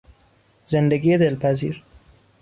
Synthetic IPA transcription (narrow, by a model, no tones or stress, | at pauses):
z̥end̪æɡied̪elpʰæzḭːɾ